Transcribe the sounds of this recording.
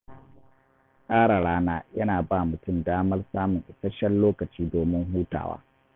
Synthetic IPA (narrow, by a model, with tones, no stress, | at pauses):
kʼaː˦ɽa˨ɽaː˦naː˦jɐ˦naː˨baː˦˨mʊ˨tʊ˦mdaː˦mɐ˦rsaː˦mʊ˨ŋʔɪ˨sɐ˦ʃɐ˦nloː˦kɐ˨t͡ʃiː˦doː˨mɪ˦ŋɦuː˦ta̰ː˨wa̰ː˦